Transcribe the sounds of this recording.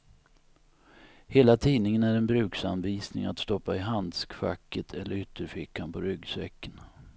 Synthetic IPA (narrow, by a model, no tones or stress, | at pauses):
heːlat̪ʰiːnɪŋənæɾɛnbɾʉ̟ːksanviːsnɪ̰ŋat̪st̪ɔpːaɪɦand̪skfa̰kːət̪ʰɛlːəɾʏt̪ʰːəɾfɪkːanpʰɔɾʏɡsɛkːən